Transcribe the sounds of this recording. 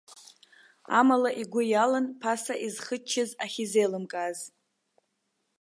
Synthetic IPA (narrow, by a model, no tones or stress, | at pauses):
a̰malaʔiɡʷʊjalanpʰasaʔizχət͡ʃʰːɪzaχʲizejlɨmkʼaz